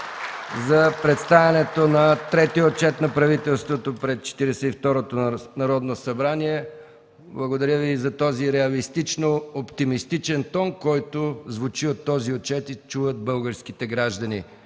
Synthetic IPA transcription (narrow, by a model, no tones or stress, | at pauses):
zɐpɾɛt̪st̪avʲɛnɛt̪onɐt̪ɾɛt̪iot̚t͡ʃɛt̪nɐpɾɐvit̪ɛlˠst̪vot̪opɾɛst͡ʃɛ̥t̪iɾɛsɛift̪ɔɾot̪onɐɾɔd̪nosɐbɾaniɛ | blˠɐɡod̪ɐɾʲjəvizɐt̪ɔziɾɛɐlist̪it͡ʃnoopt̪imist̪it͡ʃɛnt̪ɔnkɔjt̪ozvʊt͡ʃiot̪ːɔziot̪̚t͡ʃɛt̪it͡ʃuvət̪̚bɤlˠɡəɾskit̪ɛɡɾaʒd̪ənḭ